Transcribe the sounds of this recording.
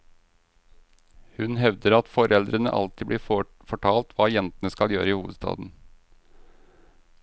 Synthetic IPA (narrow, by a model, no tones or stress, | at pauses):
hʉnɦɛʋd̪əɾɑt̪fɔɾɛld̪ɾənə̰ʔɑ̰lt̪ɪbɽiː | fɔʈʰɑːlt̪ʋɑːjɛnt̪ənəskɑljøːɾəiːhuːʋəd̪st̪ɑ̰ːd̪n̩